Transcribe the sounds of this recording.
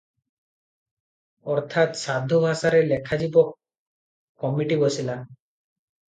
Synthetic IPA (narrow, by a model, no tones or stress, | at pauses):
ɔɾt̪ʰat̪sad̪ʱːobʱasaɾelekʰad͡ʒibɔkː | ɔmiʈibɔsilan